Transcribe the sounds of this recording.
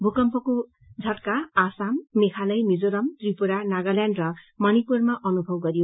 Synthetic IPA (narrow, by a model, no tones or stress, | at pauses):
bʱukʌmpʌko | d͡zʱʌʈkaːsamːekʰalʌjmid͡zoɾʌmt̪ripuɾanaɡʌljanɖrʌ | mʌnipurmaʔʌnubʱʌb̚ɡʌɾijo